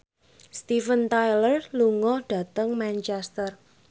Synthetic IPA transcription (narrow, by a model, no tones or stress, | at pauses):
st̪ifənt̪ajlərluŋɔɖ̥a̤t̪əŋmant͡ʃɛst̪ər